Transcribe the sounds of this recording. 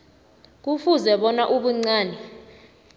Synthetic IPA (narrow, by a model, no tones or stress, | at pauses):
k̬ufuzɛɓɔnaʔuɓuŋ͡ǀaːnɛ